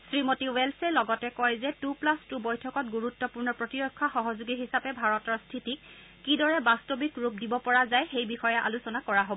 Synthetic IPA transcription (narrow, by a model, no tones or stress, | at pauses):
sɹimotiwɛlsɛlɔɡɔtɛkɔjzɛtuplastubɔjtʰɔkɔt̚ɡuɹutːɔpuɹnɔpɹotiɹɔkʰːaxɔɦɔzuɡiɦisapɛbʱaɹɔtɔɹstʰitikː | idɔɹɛbastobikɹup̚dibɔpɔɹazajxejbixɔjɛʔa̰lusɔnakɔɹaɦobɔ